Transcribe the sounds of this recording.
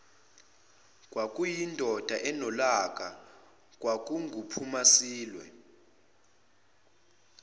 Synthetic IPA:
k̬ʼwak̬ʼujindʱɔd̥ʱaʔɛnɔlak̬ʼa | k̬ʼwak̬ʼuŋɡʱupʰumasiːlwɛ̰

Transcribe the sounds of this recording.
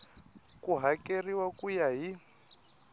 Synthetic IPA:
kuɦakeriwakʼujaɦi

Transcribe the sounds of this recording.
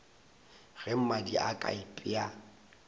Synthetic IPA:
ɣɛm̩madiʔa̰kʼa̰ipʼɪa

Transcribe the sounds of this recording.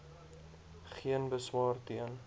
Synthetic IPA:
χiənbəswɑːrtiən

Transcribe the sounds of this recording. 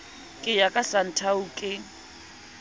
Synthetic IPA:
kʼɪjakʼasan̩tʰaukʼɪ

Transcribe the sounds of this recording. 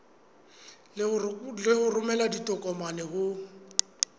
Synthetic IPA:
lɪhʊrʊmɛladitʼɔkʼɔmanɛhʊ

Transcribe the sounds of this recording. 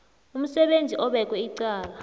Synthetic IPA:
um̩sɛɓend͡zʱiʔɔɓɛk̬ʼwɛiǀaːla

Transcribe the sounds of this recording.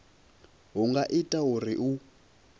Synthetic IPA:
ɦuŋɡaʔitʼaɦuriʔu

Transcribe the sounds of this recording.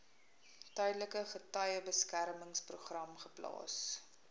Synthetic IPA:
tœjdələkəχətɐjəbəskæɾməŋspruχrɐmχəplɑ̰ːs

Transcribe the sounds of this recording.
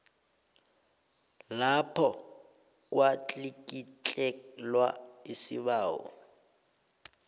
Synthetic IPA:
lapʰɔ | k̬ʼwat͡ɬʼikʼit͡ɬʼɛlwaɪsɪ̰βaːɔ̰

